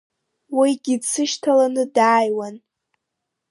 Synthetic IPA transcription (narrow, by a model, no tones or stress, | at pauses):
wijɡʲidsɨʃtʰalanɨdaːjwan